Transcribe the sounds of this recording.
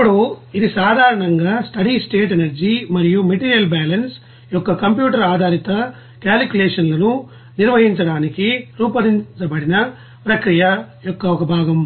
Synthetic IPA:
ɐpɐɽuid̪isaːd̪ʱaːɾɐɳɐŋɡaːsʈɐɽisʈeːʈenɐɾd͡ʒimɐɾijumɐʈiːɾijɐlbaːlɐns | jɔkːɐkɐmpjuːʈɐɾaːd̪ʱaːɾit̪ɐ | kaːlkjuleːʂɐnlɐnu | niɾʋɐɦiɲt͡ʃɐɽaːnikiɾuːpɐɾint͡ʃɐbɐɽinɐ | pɾɐkɾijɐjɔkːɐkːɐbʱaːɡɐm

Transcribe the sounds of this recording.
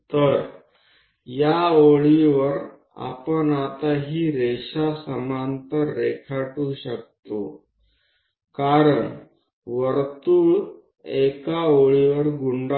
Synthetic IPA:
t̪əɾ | jaoɭiʋəɾ | a̰pəɳat̪aɦiːɾeɕasəmant̪əɾːekʰaʈuːɕək̚t̪o̰ | kaɾəɳ | ʋəɾt̪uːɭ | ekaoɭiʋəɾɡuɳɖ

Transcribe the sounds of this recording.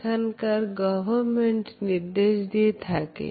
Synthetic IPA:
ənkɐɾɡɔʋəɾmẽɳʈnɪɾd̪eːʃd̪it̪ʰakḛː

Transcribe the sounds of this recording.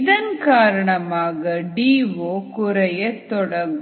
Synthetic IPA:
ðɐnkaːɾɐɳɐmaːɣɐɖiːʋoːkʊɾɐjɐt̪ɔɽɐɡ

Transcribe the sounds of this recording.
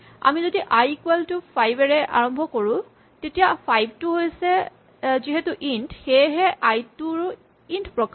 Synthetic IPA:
a̰mizodiʔajkweltʊpʰajbɛɹɛʔa̰ɹɔmbʱɔkoɹʊ̃ | tetijapʰajb̚tuɦojsɛ | ziɦetuʔintxejɦɛʔajtuɹ | intpɹɔk

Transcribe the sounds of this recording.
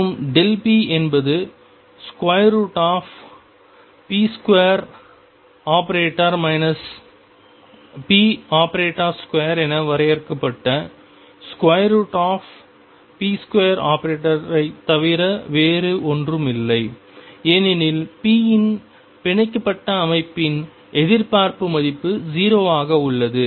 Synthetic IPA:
ɯmɖɛlpiʔɛnbɐðɯ | skʊʋɐjɾuːʈaːf | piːskʊɐjɐɾ | aːpɐɾeːʈːɐɾmɐɪnɐs | piːaːpɐɾeːʈːaːskʊʋɐjɐɾɛnɐʋɐɾɐjɐɾɯkːɐpːɐʈːɐ | skʊwɐjɾuʈaːf | piːskwɐjɐɾaːpɐɾeːʈːɐɾɐɪt̪ːɐʋɪɾɐʋeːɾɯʔɔndrɯmɪlːɐɪ | eːnɪnɪlpiːjɪn | pɪɳɐɪkːɐpːɐʈːɐːmɐɪpːɪn | ʔɛðɪɾpaːɾpɯmɐðɪpːɯd͡ʒiːɾoːaːɣɐʊɭːɐðɯ

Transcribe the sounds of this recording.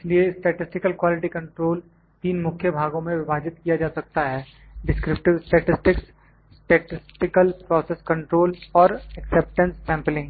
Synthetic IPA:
ɪsliesʈeːʈɪsʈɪkəlkwaːlɪʈikɐ̃ɳʈɾoːl | t̪iːnmʊkʰjəbʱaːɡõmẽʋɪbʱaːd͡ʒɪt̪kijad͡ʒaːsɐk̚t̪aɦɛː | ɖɪskɾɪp̚ʈɪʋsʈɛːʈɪsʈɪks | sʈeːʈɪsʈɪkəlpɾɔːseskɐ̃ɳʈɾoːlɔːɾɛkseːp̚ʈə̃nssɛ̃ːmplɪ̃ŋɡ

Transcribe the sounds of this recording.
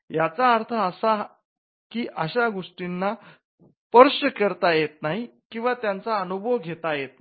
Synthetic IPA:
jat͡saːɾt̪ʰəəsa | kiːʔəɕaɡoʂʈinːa | pəɾɕəkəɾt̪ajet̪̚naɦi | kĩw̃ʋat̪jant͡saənubʱəʋɡʱet̪ajet̪̚

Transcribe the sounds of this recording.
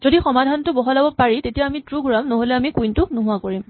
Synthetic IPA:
zodixɔmadʱantʊbɔɦɔlabɔpaɹitetijaːmitɹuɡʱɹamnɔɦolɛamikujntʊnuɦʊakoɹim

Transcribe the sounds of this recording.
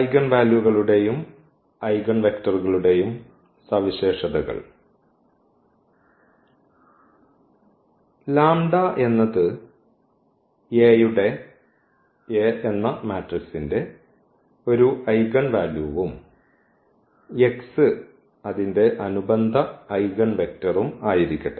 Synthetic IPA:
ɐjɡɐɳʋaːljuɣɐɭuɽe̞jum | ɐjɡɐɳʋe̞ktɐruɣɐɭuɽe̞jum | sɐʋiɕe̞ːʂɐðɐɣɐ̰ɭ | laːmɖaʔe̞nːɐðɨ | jejuɽe̞ | eenːɐmaːtrisinde̞ | o̞ɾuɐjɣɐɳʋaːluːʋum | e̞ksɨ | ɐðinde̞ʔɐnubɐnd̪ʱɐːjɣɐɳʋe̞k̚tɐrumaːjiɾikʲːɐɽɐ

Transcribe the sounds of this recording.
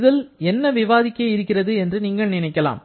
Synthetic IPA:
ðɐlɛnːɐʋɪʋaːðɪkːɐɪɾɯkːɪrɐðɯɛndrɯniːŋɡɐɭnɪnɐɪkːɐla̰ːm

